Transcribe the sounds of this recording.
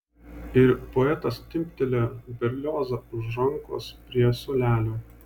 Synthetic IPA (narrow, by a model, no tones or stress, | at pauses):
ɪɾpoɛt̪ɐst̪ʲɪmʲpʲt̪ʲɛlʲeːbʲɛɾʲlʲoːzɐʊʒɾɐŋkɔ̰spʲɾʲiɛsoːlʲæːlʲoː